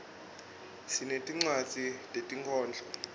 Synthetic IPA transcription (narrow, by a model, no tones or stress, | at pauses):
sinetʼiŋ͡ǀwat͡sʼitʼetʼiŋkʰɔːnd͡ɮʱɔ